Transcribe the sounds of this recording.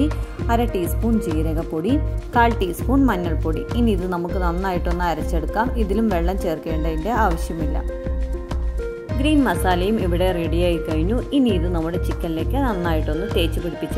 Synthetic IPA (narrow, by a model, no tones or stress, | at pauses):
iɐɾɐʈiːspuːɳd͡ʑijɾɐɣɐpːoːɽikaːɭʈiːspuːɳmɐnːɐɭpoːɽḭinːiðɨnɐmukːɨnɐnːaːjiʈːonːɨɐɾɐt͡ɕːe̞ɽukːaːmiðilumʋe̞ɭːɐmt͡ɕe̞ːrke̞ːɳɖɐðinde̞aːʋɐɕjɐmilːɐ̰ | ɡɾiːnmɐsaːlɐjumiʋiɽe̞reɽijaːjikɐɻiɲːuinːiːðɨnɐmːuɽe̞t͡ɕikʲːɐlleːkːɨnɐnːaːjiʈːonːɨt̪e̞ːt͡ɕːupiɽipːit͡ɕːɐ